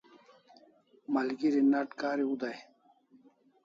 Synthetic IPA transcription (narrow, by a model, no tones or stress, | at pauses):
mɐlɡiɾinɐʈkaːɾiud̪aj